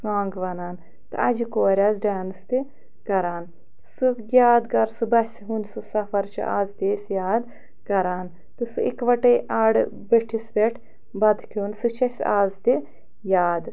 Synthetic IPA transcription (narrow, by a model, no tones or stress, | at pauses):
saːŋɡʋɐnaːn | t̪ɨ̰ɐ̰d͡ʒikoːɾʲaːzɖaːnɨst̪i | kɐɾaːn | sɨɡʲaːd̪ɡɐɾsɨbɐsʲɦunsɨsɐfɐɾt͡ʃʰḭʔa̰ːzt̪ʲeːsʲjaːd̪ | kɐɾaːn | t̪ɨsɨḭkʋɐʈɐjʔaːɽ | beʈʰisbeʈʰ | bɐd̪kʲʰoːnsɨt͡ʃʰɐsʲaːzt̪i | jaːd̪